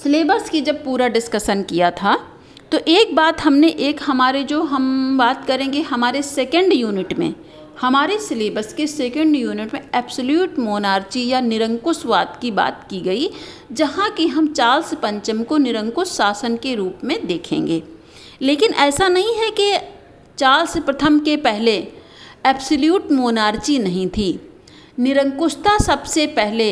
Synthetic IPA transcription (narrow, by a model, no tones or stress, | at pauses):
sɪleːbəskid͡ʒɐb̚puːɾaɖɪskəsənkijat̪ʰa | t̪oʔeːk̚baːt̪ɦɐmneʔeːkɦɐmaːɾed͡ʒoːɦɐmbaːt̪kɐɾẽːŋɡeɦɐmaːɾesɛːkə̃ɳɖjuːnɪʈmḛ̃ | hɐmaːɾesɪleːbəskesɛːkə̃ɳɖjuːnɪʈmẽɛːbsəljuːʈmoːnaːɾt͡ʃijanɪɾə̃ŋkʊswa̰ːt̪kiba̰ːt̪̚kiɡɐi | d͡ʒɐɦãkiɦɐmt͡ʃaːlspɐ̃ɲt͡ʃəmkonɪɾə̃ŋkʊssaːsənkeɾuːpmẽd̪eːkʰḛ̃ːŋɡeː | leːkɪnʔɛːsanɐɦĩɦɛke | t͡ʃaːlspɾɐt̪ʰəmkepɛɦle | ɛːpsəljuːʈmoːnaːɾt͡ʃinɐɦĩt̪ʰiː | nɪɾə̃ŋkʊʃt̪asɐbsepɛɦle